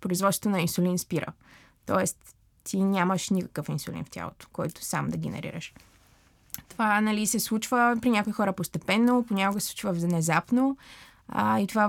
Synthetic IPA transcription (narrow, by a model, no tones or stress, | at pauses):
pɾoizvɔt̪ot̪onɐinsʊlʲinspiɾə̰ | t̪ɔ̰ɛst̪ː | inʲaməʃnʲikə̥kəfinsʊlḭnftʲa̰lˠo̰t̪o̥kɔjt̪ʊ̥sa̰md̪ɐɡɛnɛ̰ɾḭɾə̰ʃ | t̪ovanɐlisɛslˠut͡ʃvəpɾinʲakoixɔɾəpost̪ɛpɛnːoponʲakoɡəsɛslut͡ʃvəvznɛzapno | it̪ova